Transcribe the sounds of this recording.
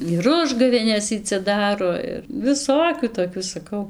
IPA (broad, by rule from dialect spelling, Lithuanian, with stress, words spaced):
ɪr ˈʊʒɡɐʋʲeːnʲɛs ˈiː t͡sʲɛ ˈdɑːroː ɪr ʋʲɪˈsoːkʲuː toːˈkʲuː sɐˈkɐʊ